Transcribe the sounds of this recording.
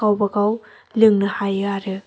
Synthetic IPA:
awbɐkaw | lɯŋnɯhajɯaɾɯ

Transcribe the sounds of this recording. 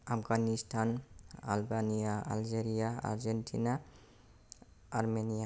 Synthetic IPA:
apʰɡanisʈʰana̰lbanijaa̰ld͡ʒeɾijaa̰ɾd͡ʒenʈʰina | aɾmenija

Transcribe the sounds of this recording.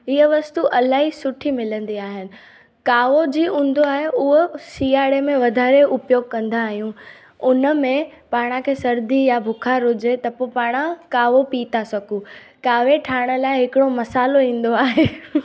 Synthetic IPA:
ɪɦəʋɐst̪uʔɐlaːɦisʊʈʰimɪlə̃nd̪iaːɦɪnɪ̆ | kaːʋod͡ʑiːũːn̆d̪oaːɦeʔʊɦosiːaːɪɽemẽʋɐd̪ʱaːɾeʔʊpjoːɡ̚kɐ̃nd̪aːɦijũ | ʊnə̆mẽpaːɽ̃ãkʰeːsɐɾd̪ijabʱʊkʰaɾʊd͡ʑet̪ɐpoːpaːɽ̃akaːʋopiːt̪asɐɡu | kaːʋeʈʰaːɽ̃ə̆laːɪɦɪkɪɽomɐsaːloĩːn̆d̪oaːɦeː

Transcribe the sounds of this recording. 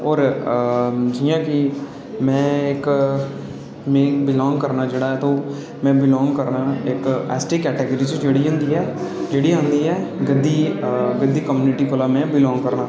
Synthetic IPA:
ɔːɾ | d͡ʒijãːkɪ | mɛ̃ːɪk | mẽːbɪlɔ̃ːŋɡkəɾnaːd͡ʒeːɽaːɛːt̪oː | mɛ̃ːbɪlɔ̃ːŋɡkəɾnaːɪkɛ̰ːsʈiːkɛːʈeːɡəɾiːt͡ʃd͡ʒeːɽiːɦʊ̃ːnd̪iːɛː | d͡ʒeːɽiːɦʊ̃nd̪iːɛːɡəd̪ːiːɡəd̪ːiːkəmjuːnɪʈiːkolaːmɛ̃ːbɪlɔ̃ːŋɡkəɾnaː

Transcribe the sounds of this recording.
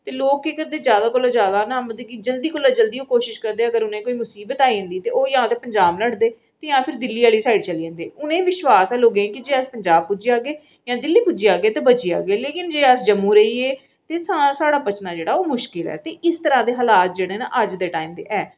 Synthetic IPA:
t̪eːloːkːeːkəɾd̪eːd͡ʒjaːd̪aːkʊlːaːd͡ʒjaːd̪aːnãːməiɡiːd͡ʒəld̪iːkʊːlːaːd͡ʒəld̪iːõːkoːʃɪʃkəɾd̪eːəɡəɾʊnẽːkoːiːmʊsiːbət̪aːiːʊ̃nd̪iːt̪eːoːjãːt̪eːpəɲd͡ʒaːbləɽd̪eː | t̪eːjãːpʰɪɾd̪ɪlːiːaːliːsaːiɖt͡ʃəliːə̃nd̪eːʊnẽːʋɪʃwaːsɛːloːɡẽːkɪd͡ʒeːəspəɲd͡ʒaːb̚pʊd͡ʒijaːɡeː | jãːd̪ɪlːiːpʊd͡ʒijaːɡeːt̪eːbət͡ʃia̰ːɡeːleːkɪnd͡ʒeːəsd͡ʒəmːũːɾəiːeː | t̪eːsãːsaːɽaːbət͡ʃnaːd͡ʒeːɽaːoːmʊʃkɪlɛ̰ːt̪eːʔɪst̪əɾaːd̪eːɦəlaːt̪̚d͡ʒeːɽeːnã̰ːʔəd͡ʒd̪eːʈaːiːmd̪ḛːʔɛː

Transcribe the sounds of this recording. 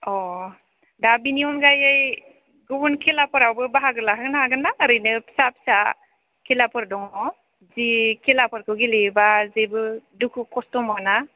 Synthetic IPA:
ɔ | dabiniɔnɡajaj | ɡɯbunkʰelapɔɾawbɯbaɦaɡɯɾlaɦaɡɯnaɦaɡɯnaːɾɯjnɯpsapi̥sa | kʰelapɔɾdɔŋɔ | zikʰelapɔɾkʰɯɡelebazebɯdukʰɯkɔstɔmana

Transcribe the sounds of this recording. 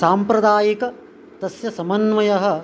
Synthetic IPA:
saːmpɾɐd̪aːjikɐ | t̪ɐsjɐsɐmɐnʋɐjɐɦɐ̆

